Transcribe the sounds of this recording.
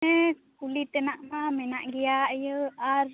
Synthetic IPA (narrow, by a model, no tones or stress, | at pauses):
ɛ | kulit̪ɛnaʔmamɛnaʔɡijajəaɾ